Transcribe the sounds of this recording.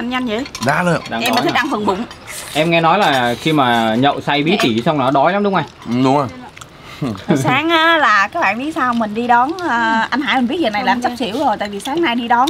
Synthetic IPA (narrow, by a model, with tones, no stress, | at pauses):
ʔa˧mɲa˧nt͡ɕḭ˧˨˩ɗaː˨˧˦lə˧˩ɗa˨˧˩mi˨˩t̪̚ʰɗa˧ŋfɨ˨˩əŋɓʊ̰˨˧˨ŋ͡mʔɛ˧mŋɛ˧nɔ˨˦jlaː˨˩xi˧maː˨˩ɲə̰˧˨wsa˧jɓi˨˦t̪i˧˩sa˧wŋ͡mna˨˩˦ɗɔ˨˦jlaː˨˦mɗʊ˨˦ŋ͡mʔaː˧jʔɗʊ˨˦ŋ͡maː˧˩ | saː˨˦ŋʔaː˨˦laː˨˩kaː˨˦˥ɓa̰ː˧˨nɓi˦˥t̚saː˧hwmï˨˩ŋ̟ɗi˧ɗɔ˨˦nː˨˩ʔa˧nɦaː˧˥jmi̟˨˩vt̚zə˨˩na˨˩jlaː˨˩˨mt͡ɕa˦˥sḭ˧˩əwzo˨˩jt̪a̰ː˧˨jvi˨˩saː˨˦ŋna˧jɗi˧ɗɔ˨˦n